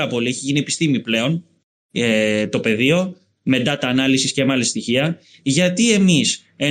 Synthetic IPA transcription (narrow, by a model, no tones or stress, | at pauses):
ɾɐpo̞lieçiʝinie̞pi̥st̪imiple̞o̞n | et̪o̞pe̞ðio̞ | me̞t̪ɐt̪ɐːnɐlisiscemɐlist̪içiɐ | ʝɐt̪ie̞mis | e